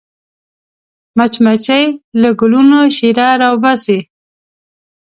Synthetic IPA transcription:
mat͡ʃmat͡ʃajləɡʊlunoʃiɾɑɾawbase

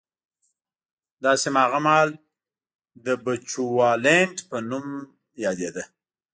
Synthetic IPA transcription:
d̪ɑsemɑɣamɑl | d̪əbat͡ʃuwɑleɳʈpənum | jɑd̪ed̪ə

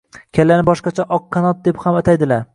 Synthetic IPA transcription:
kʲʰalanɪbɒʃqɑt͡ʃʰaʔɒqʰːɑnɒt̪̚d̪ephamat̪ʰajd̪ɪlaɾ

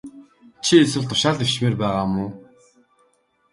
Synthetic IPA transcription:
t͡ɕʰieswɘ̆ɮt̪ʰʊ̥ʃaːɮewt͡ɕmeːrpæːʁaːmʊː

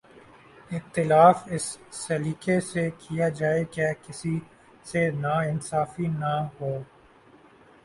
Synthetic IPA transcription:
ɪxt̪ɪlaːfɪsːɐliːkesekʰijad͡ʒaːekekɪsi | senaɪnsaːfinaɦoː

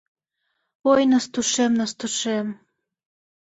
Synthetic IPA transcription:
ojnəst̪uʃemnɑst̪uʃem

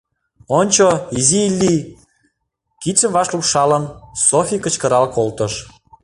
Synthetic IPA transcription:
onʲt͡ɕoizilʲːi | kit͡səmvɑʃlupʃɑlənsofʲikə̆t͡ɕkə̆ɾɑlkolt̪əʃ

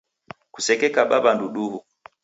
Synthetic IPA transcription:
kusɛkɛkaɓaɓanduɗuhu

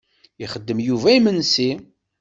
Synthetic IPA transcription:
iχəd̪ːəmjuvæimənsi

